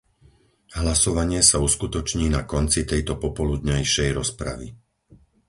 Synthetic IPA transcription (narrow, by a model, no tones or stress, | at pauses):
ɦlasɔʋaɲɪɛsauskut̪ɔt͡ʃɲiːnakɔnt͡sit̪ɛjt̪ɔpɔpɔlud̪ɲajʃɛjɾɔspɾa̰ʋḭ